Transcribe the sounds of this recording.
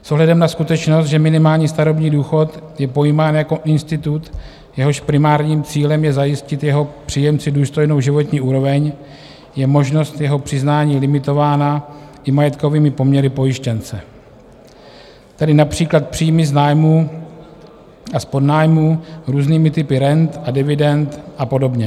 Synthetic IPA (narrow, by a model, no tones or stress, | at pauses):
sʔoɦlɛdɛmnaskut̪ɛt͡ʃno̞s̬t̪ʒɛmɪnɪmaːlɲiːst̪aɾo̞bɲiːduːxo̞t̪jɛpo̞jimaːnjako̞ʔɪnst̪ɪt̪ut̪ | jɛɦo̞ʃpɾɪmaːɾɲiːmt͡siːlɛmjɛzajɪscɪt̪jɛɦo̞pr̝̥iːjɛmt͡sɪduːst̪o̞jno̞wʒɪvo̞t̪ɲiːʔuːɾo̞vɛɲ | jɛmo̞ʒno̞st̪jɛɦo̞pr̥ɪznaːɲiːlɪmɪt̪o̞vaːnaʔɪmajɛt̪ko̞viːmɪpo̞mɲɛɾɪpo̞jɪʃcɛnt͡sɛ | t̪adɪnapr̝̥iːklat̪̚pr̝̥iːjmɪznaːjmuː | ʔaspo̞dnaːjmuːɾuːzniːmɪt̪ɪpɪɾɛnt̪ʔadɪvɪdɛnt̪ʔapo̞do̞bɲɛ